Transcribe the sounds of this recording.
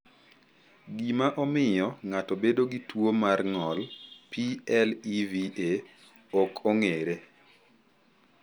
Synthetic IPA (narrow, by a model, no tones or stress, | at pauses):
ɡimaʔɔmɪjɔŋatɔbedoɡitwomarŋɔlpiɛlivie | ɔkʰoŋeɾe